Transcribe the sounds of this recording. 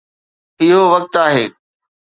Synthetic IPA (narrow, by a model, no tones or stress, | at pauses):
ɪɦoʋɐk̚t̪aːɦḛː